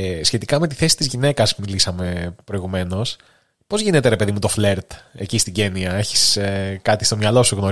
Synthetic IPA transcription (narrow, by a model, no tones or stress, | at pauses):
sçe̞t̪ikɐme̞t̪iθe̞si̥t̪izʝine̞kɐsmilisɐme̞pɾo̞iɣume̞no̞s | po̞zʝine̞t̪e̞ɾe̞pe̞ðimut̪o̞fle̞ɾt̪e̞cist̪iɟe̞niɐe̞çisekɐt̪ist̪o̞mɲɐlo̞suɣno̞